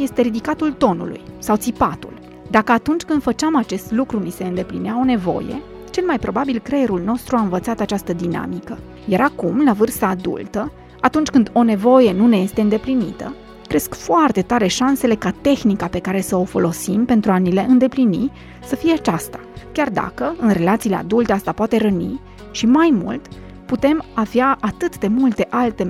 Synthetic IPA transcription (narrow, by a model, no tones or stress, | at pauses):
je̞st̪e̞ɾid̪ikat̪ult̪o̞nṵlṵjsawt̪sipat̪ṵl | d̪akəat̪unt͡ʃʲkɨnd̪fət͡ʃamat͡ʃe̞st̪lukɾunise̞ɨnd̪e̞plineao̞ne̞vo̞̰je̞̰ | t͡ʃe̞lmajpɾo̞babilkɾe̞jeɾulno̞st̪ɾuaɨnvət̪sat̪at͡ʃast̪əd̪ina̰mikə | jaɾakumlavɨrst̪aːd̪ṵlt̪ə | at̪unt͡ʃʲkɨnd̪o̞ne̞vo̞je̞nune̞je̞st̪e̞ɨnd̪e̞plinit̪ə̰ | kɾe̞skfoart̪e̞t̪aɾe̞ʃanse̞le̞kat̪e̞xnikape̞kaɾe̞səo̞fo̞lo̞simpe̞nt̪ɾuanile̞ʔɨnd̪e̞plini | səfije̞at͡ʃast̪ḁkʲard̪a̰kəɨnre̞lat̪sile̞a̰d̪ult̪e̞ast̪apoat̪eɾənḭ | ʃimajmṵlt̪ | put̪e̞mavjaat̪ɨt̪d̪e̞mult̪e̞ʔalt̪e